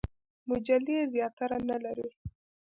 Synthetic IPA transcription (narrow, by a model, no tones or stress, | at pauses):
mʊd͡ʒalizjɑt̪aɾanalaɾi